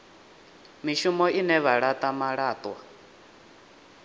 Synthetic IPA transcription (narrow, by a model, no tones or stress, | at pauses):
miʃumɔʔinɛβaɺat̪ʼamaɺaːt̪ʼwa